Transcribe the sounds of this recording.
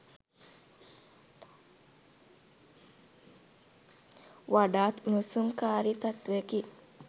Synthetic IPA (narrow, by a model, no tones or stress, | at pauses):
ʋaɖaːt̪unusumkaːɾit̪ɐt̪ʋeki